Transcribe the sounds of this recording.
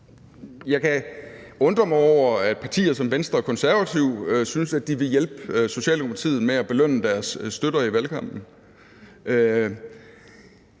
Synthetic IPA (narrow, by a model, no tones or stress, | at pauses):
jɑ̈ɪkʰæɔ̽nd̥ʁɐmɑɒʊ̰ɐæd̥pʰɑ̈t͡sʰḭːɐsɒ̽mʋensd̥ʁɐækʰɒ̽nsæɐʋæt͡sʰiʊ̰synsæd̥iʋe̝jelb̥so̝ɕɛ̰ːld̥emopʰɑ̥t͡sʰḭːð̩ˠmeæb̥e̝løn̰əd̥æɐsːd̥øɾ̥ɐiʋælkʰɑ̈m̰b̥n̩